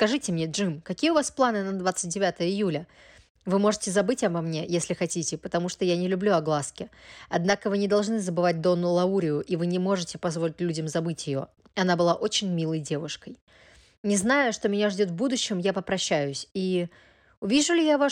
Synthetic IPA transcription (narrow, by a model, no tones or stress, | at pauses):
skɐʐɨtʲɪmnʲeʐɨmkɐkʲijəʊvasplˠanɨnɐd̪vat̪sɨt̚ʲdʲɪvʲat̪əjəɪjulʲə | vɨmo̞ʐɨtʲɪzɐbɨtʲɐbɐmnʲe̞jesʲlʲɪxɐtʲitʲɪpət̪ɐmuʂt̪ojanʲɪlʲʊblʲuɐɡlˠaskʲɪɐd̪nakəvɨnʲɪd̪ɐlˠʐnɨzəbɨvat̚ʲd̪o̞nːʊlˠɐuɾʲɪjʊʔivɨnʲɪmo̞ʐɨtʲɪpɐzvo̞lʲɪtʲlʲudʲəmzɐbɨtʲjɪjo̞̰ | ɐnabɨlˠaʔo̞t͡ɕɪnʲmʲilˠəjdʲe̞vʊʂkəj | nʲɪznajʊʂt̪omʲɪnʲaʐdʲo̞t̪vbud̪ʊɕːɪmjapəpɾɐɕːæjʊsʲi | ʊvʲiʐʊlʲɪjava